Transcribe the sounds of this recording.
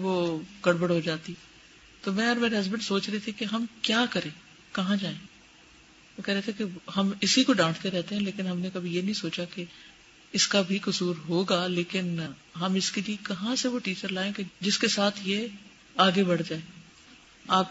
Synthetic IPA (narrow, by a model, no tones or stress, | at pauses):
ʋoɡ̥ɐɽbəɽɦod͡ʒaːt̪i | t̪omɛ̃ɔːɾmeːɾeɦɐzbə̃ɳɖsoːt͡ʃɾɐɦet̪ʰikeɦɐmkjaːkɐɾẽː | kɐɦãd͡ʒaːẽː | ɛ̃kɛɦɾeɦet̪ʰekeɦɐmɪsikoɖãːskeɾɛɦt̪eɦɛ̃leːkɪnɦɐmnekɐbʱijenɐɦĩsoːt͡ʃake | ɪskabʱikʊsuːɾɦoːɡaːleːkɪn | ɦɐmɪskeliekɐɦãseʋoʈiːt͡ʃəɾlaːẽked͡ʒɪskesaːt̪ʰje | aːɡebɐɽd͡ʒaːeː | aːp